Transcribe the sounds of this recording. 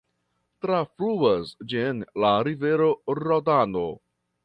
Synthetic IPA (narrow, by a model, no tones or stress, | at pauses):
tɾafɾuasd͡ʒinlaɾive̞ɾo̞ɾodano̰